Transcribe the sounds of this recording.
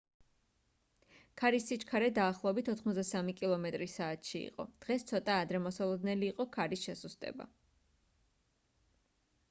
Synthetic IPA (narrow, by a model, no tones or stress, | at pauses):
kʰaɾisːit͡ʃʰkʰaɾɛd̪aːχlˠɔɛbit̪ʰɔt̪ʰχmɔzd̪asamikʼilˠɔmɛt̪ʼɾisaːt̪ʃiḭqʼɔ̰d̪̥ʁɛst̪sʰɔt̪ʼaːd̪ɾɛmɔsalˠɔd̪nɛliːqʼɔkʰaɾisʃɛsust̪ʼɛ̰ba̰